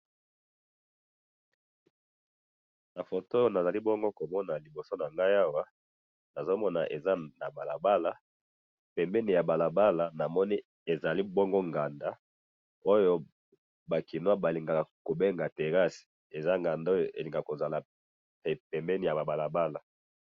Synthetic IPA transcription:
na˨fo˨to˦jo˦na˨za˨li˦bɔ˦ŋɡo˦ko˨mɔ˦na˨li˨bo˨so˦na˨ŋɡa˦ja˦wa˦ | na˨zo˦mɔ˦na̰˨ʔe˨za˦na˨ba˨la̰˨ba˦la˨ | pɛ˨mbɛ˦ni˨ja˨ba˨la˨ba˦la˨na˨mɔ˦ni˦ | e˨za˨li˦bɔ˦ŋɡo˦ŋɡa˨nda˦ | o˦jo˦ | ba˨ki˨nwa˦ba˨li˨ŋɡa˨ko˨be˦ŋɡa˨te˨ʁa˦si̥˨ | e˨za˦ŋɡa˨nda˦o˦jo˨ʔḛ˨li˨ŋɡa˨ko˨za˨la˨ | ɛ˨pɛ˨mbɛ˦ni˨ja˨ba˨ba˨la˨ba˦la˨

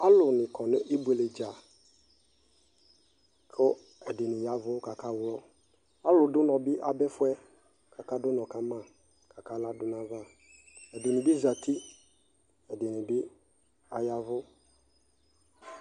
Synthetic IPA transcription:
a˦lʊ˨nɪ̃˨kʰɔ˨nʊ̃˦ʔi˦be˨le˨d͡ʒa˨ | kʰʊ˦ | ɛ˨dɪ˨nɪ̃˨ja˦vʊ˦ka˨kʰa˦wʊ˦lɔ˦ | a˦lʊ˨dʊ˦nɔ̃˨bɪ˦ʔa˨bɛ˦fʊ˦ɛ˦ | kʰa˨ka˦dʊ˦nɔ̃˨ka˦mã˦˨ | kʰa˨ka˦la˦dʊ˨nã˦va˦ | ɛ˨dʊ˨nɪ̃˨bi˦za˨tʰi˦ | ɛ˨dɪ˨nɪ̃˨bɪ˦ | a˨ja˨vʊ˦

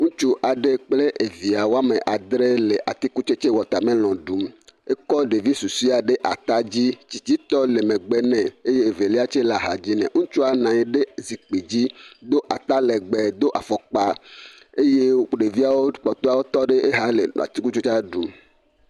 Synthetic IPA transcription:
ŋũ˦t͡ʃu˦ʔa˨ɖe˦k͡ple˦ʔe˨vi˨a˨wo˦a˦mẽ˨ʔa˨d̪ɾe˦le˨ʔa˨t̪i˦ku˦t͡ʃe˦t͡ʃe˦wɔ˨t̪a˨mẽ˦l̃ɔ̃˨ɖu˨me˦kɔ˦ɖe˨vi˦su˨si˦a˨ɖe˦ʔa̰˨t̪a˦d͡ʑi˦t͡ɕi˨t͡ɕi˦t̪ɔ˦le˨mẽ˨ɡ͡bɛ˦nɛ̃˨e˦je˦e˨ve˨li˦a˦t͡ʃe˦la˨ɦa˨d͡ʑi˦nɛ̰̃˨ŋũ˦t͡ʃu˦a˨nã˨je˨ɖe˦zi˨k͡pe˨d͡ʑi˦d̪o˦ʔa˨t̪a˦lɛ˨ɡ͡bɛ˨d̪o˦ʔa˨fɔ˨k͡pa˦ | e˦je˦k͡pɖe˨vi˦a˨wo˦k͡pɔ˨t̪o˦a˨wo˦t̪ɔ˦ɖe˦ʔe˦ɦa˦lḛ˨a̰˨t̪i˦ku˦t͡ʃo˦t͡ʃa˦ɖu˨m

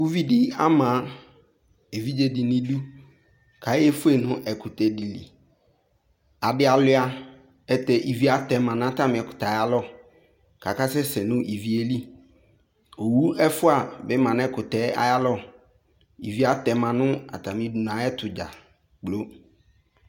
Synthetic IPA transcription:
wu˦vi˦dɪ˦a˦mã˨˦ | e˨vi˦d͡ʒe˦dɪ˨nɪ̃˦du˦ | kʰa˨˦ɛ˦fʊ˦e˦˨nʊ̃˦ʔɛ˨kʰʊ˨tɛ˨˦di˨lḭ˨ | a˨dɪ˦a˨lʊ˦a˦ | ɛ˦tɛ˦ʔi˨vi˦a˦tɛ˨mã˨nʊ̃˦a˦tʰa˦mɪ̃˨ɛ˨kʊ̥˨ta˨a˨˦ja˦lɔ˦ | kʰa˨ka˦sɛ˦sɛ˨nʊ̃˦ʔi˨vi˦e˦li˦ | o˨wu˦ɛ˦fʊ˦a˨bɛ˦mã˨n˦ɛ˦kʰʊ˨tɛ˦a̰˨ja˦lɔ˦ | ḭ˨vi˨˦a˦tɛ˨mã˨nʊ̃˦a̰˨tʰa˨mɪ̃˨˦du˨n˨ã˨˦ɛ˦tʰʊ˨d͡ʒa̰˨ | k͡plo˦

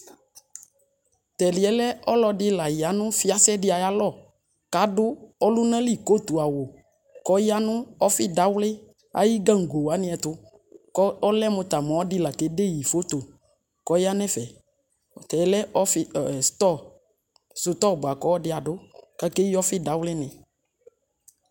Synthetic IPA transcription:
t̪ɛ˨lɪ˨ɛ˨˦lɛ˦ɔ˦lɔ˧dɪ˦la˨jɪ˨a˨˦nʊ̃˦fɪ˦a˦sɛ˦dɪ˦a˨ja˦lɔ˦˨ | ka˨˦dʊ˦ɔ˦lʊ˦nã˦li˦˨ko˦˨tu˨a˨wʊ˨ | kɔ˨˦jɪ˦a˦nʊ̃˦ɔ˦fɪ˦da˨˦wlɪ˦ | a̰˨ji˦ɡã˦ŋ̩˨ɡo˨wa˨˦nɪ̃˦ɛ˨t̪ʊ˦ | kɔ˦lɛ˦mʊ̃˧t̪a˨mɔ̃˨ɔ˦dɪ˦la˨te˨˦de˦˨ji˨fo˨˦t̪o˨ | kɔ˨˦jɪ˦a˦nɛ̃˦fɛ˨ | t̪ɛ˨˦lɛ˦ʔɔ˦fɪ˦˨st̪ɔ˦ | sʊ˨t̪ɔ˦˨bʊ˨a˨kɔ˨˦ɔ˦dɪ˦a˨dʊ˦ka˨˦ke˦i˦ɔ˦fɪ˦da˨˦wlɪ˦nɪ̃˨

